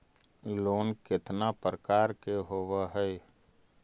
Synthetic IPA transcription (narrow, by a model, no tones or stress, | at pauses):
loːnkɪt̪napɾəkaːɾkeɦoːwaɦɛj